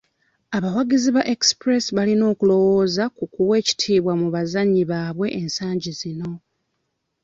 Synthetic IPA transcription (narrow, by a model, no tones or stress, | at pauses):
aβawaɡiziβaʔekspɾe̞siβalino̞ːkulo̞wo̞ːzakukuwe̞ːci̥tʰiːβwamuβazaɲːiβaːβwe̞ʔensaːɲɟizino̞